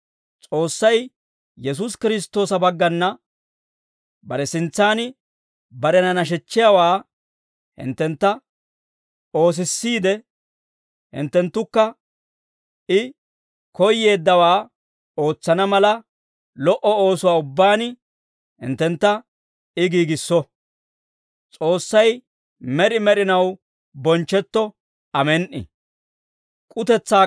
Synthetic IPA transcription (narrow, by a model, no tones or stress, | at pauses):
t͡sʼo̞ːsːɐj | jɛs̬ʊskɪɾɪs̬t̪ːo̞ːsɐbɐɡːɐnːɐ | bɐɾɛsɪnt͡sːaːnɪ | bɐɾɛnɐnɐʃ̬ɛt͡ʃːɪjawaː | hɪ̰nt̪ːɛnt̪ːɐ | o̞ːs̬ɪsːiːd̪ɛ | hɪ̰nt̪ːɛnt̪ːʊkːɐ | ʔɪ | kɔjːe̞ːd̪ːɐwaː | o̞ːt͡sːɐnɐmɐlɐ | lɔʔɔoːsʊwaːʊbːaːnɪ | hɪ̰nt̪ːɛnt̪ːɐ | ɪɡiːɡɪsːɔ | t͡sʼo̞ːsːɐj | mɛɾɪmɛɾɪnɐw | bɔnt͡ʃːɛt̪ːɔ | ɐmɛnʔɪ̰ | kʼʊt̪ɛt͡sːaː